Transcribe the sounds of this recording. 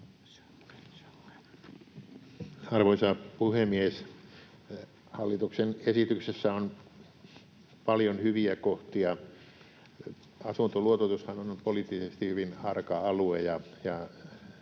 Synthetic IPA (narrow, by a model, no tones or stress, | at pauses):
ɑrʋoisɑpuhemies | hɑlːit̪uksenesit̪yksesːæon | pɑljonhyʋiækoht̪iɑ | ɑsunt̪oluot̪ot̪ushɑnonpoliːˑt̪ːisest̪ihyʋinɑrkɑɑluejɑjɑ